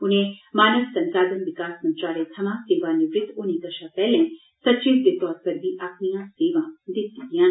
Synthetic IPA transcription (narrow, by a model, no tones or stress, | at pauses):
ʊnẽːmaːnəʋsə̃nsaːd̪ənʋɪkaːssənt͡ʃaːɾeːt̪ʰəmãːseːʋãːnɪʋɾɪt̪ʊnĩːk̪əʃãːpɛːlɛ̃ː | sətːt͡ʃiːzd̪eːt̪ɔːɾ̚pəɾd̪iːʔapʰnijãːseːʋãːd̪ɪt̪ːid̪ijãːn